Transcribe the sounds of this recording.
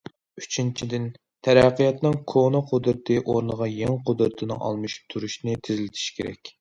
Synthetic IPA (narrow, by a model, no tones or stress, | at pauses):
y̥t͡ʃʰint͡ʃʰid̪ɪn | t̪ʰæɾæqːijɑt̪nɨŋkʰonɨqʰod̪ɾɨt̪ʰɨʔoɾnəʁɑjeŋqʰod̪ɾɨt̪ʰɨnɨ̰ŋɑ̰lˠmɨʃu̥p̚t̪ʰuɾuʃnɨt̪ʰɪzlɪt̪ʰi̥ʃkʲʰḛɾɛ̰kʲ